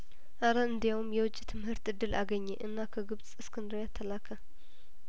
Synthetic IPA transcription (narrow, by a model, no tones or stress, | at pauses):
ʔaɾəɨnd̪ijawmjɛwʊt͡ʃʼːit̪ʰɨmhɨɾt̪ɨd̪ːɨlaɡəɲːeʔɨnːakʰəɡɨβsʼɨskʰɨnd̪ɾojat̪ʰːəlakʰə